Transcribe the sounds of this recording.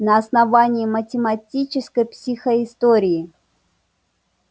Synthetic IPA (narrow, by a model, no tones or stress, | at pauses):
nəɐsnɐvanʲɪːmətʲɪmɐtʲit͡ɕɪskəjpsʲixəɪst̪oɾʲɪɪ